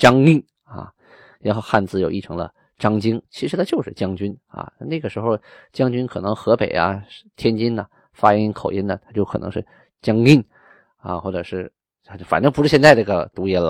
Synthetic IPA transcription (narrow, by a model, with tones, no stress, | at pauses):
t͡ɕɑ˥ŋi˥˩n | ɐ̰˧˩ | ɻa˧˥nxo˥˧ʊxa˥˧nt͡sɹ̩˥˩jo˨˩ʊi˥˩ʈ͡ʂʰɤ˧˥ŋlə̰˧ | ʈ͡ʂɑ˥ŋt͡ɕi˥ŋt͡ɕʰi˧˥ʂɻ̩˧˥t̪ʰa˥t͡ɕjo˥˧ʊʂɻ̩˥˩t͡ɕjɑ˥ŋt͡ɕy˥nɐ̰˧na˥˩n˥˩ɡə˩ʂɻ̩˧˥xo˥˧ʊt͡ɕjɑ˥ŋt͡ɕy˥nkʰɤ˨˩nɤ˧˥ŋxɤ˧˥pe˨˩ɪɐ̰˦˥t̪ʰjɛ˥nt͡ɕi˥nɐ˨ | fa˥˧i˥nkʰo˨˩ʊjɛ˥nd̪ə˨t̪ʰa˥t͡ɕjʊkʰɤ˨˩nɤ˧˥ʂɻ̩˥˩ | t͡ɕjɑ˥ŋi˥˩n | a̰˧xwɔ˥˩ʈ͡ʂɤ˨˩ʂɻ̩˥˩˥ | o˥˩fa˨˩nʈ͡ʂɤ˥ŋpu˧˥ʂɻ̩˥˩ɕjɛ˥˧nt͡sa˥˧ɪ˥˩ɡə˩t̪u˧˥jɛ˧˥˩lə̰˧˩